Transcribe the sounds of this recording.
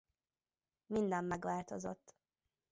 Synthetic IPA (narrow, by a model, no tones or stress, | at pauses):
mind̪ɛmːɛɡʋaːlt̪o̞zo̰t̪ː